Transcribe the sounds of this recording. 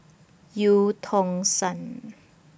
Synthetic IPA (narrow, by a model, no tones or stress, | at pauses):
juːt̪ʰoŋsan